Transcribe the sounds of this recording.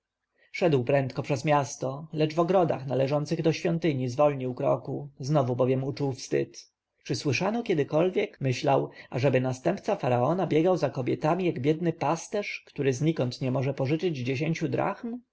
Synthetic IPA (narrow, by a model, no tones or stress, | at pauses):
ʂɛd̪wpɾɛnt̪kɔpʂɛzmʲjast̪ɔlɛd͡ʐvɔɡɾɔd̪a̰xnalɛʐɔnt̪sɘɣd̪ɔɕfʲjɔnt̪ɘɲizvɔlɲiwkɾɔ̰kuznɔvubɔvʲjɛmut͡ʂuwfst̪ɘ̰t̪ | t͡ʂɘswɘʂanɔkʲɛd̪ɘkɔlvʲjɛkmɘɕlawʔaʐɛbɘnast̪ɛmpt̪safaɾaɔnabʲjɛɡawzakɔbʲjɛt̪amʲijaɡbʲjɛd̪nɘpast̪ɛʂkt̪uɾɘzɲikɔnt̪ɲɛmɔʐɛpɔʐɘt͡ʂɘd͡ʑd͡ʑeɕeɲʲt͡ɕud̪ɾʔa̰xm